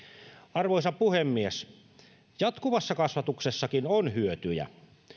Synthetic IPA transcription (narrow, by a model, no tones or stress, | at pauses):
ɑrʋojsɑppuhemːies | jɑt̪kuʋɑsːɑkɑsʋɑt̪uksesːɑkinonhyøt̪yjæ̰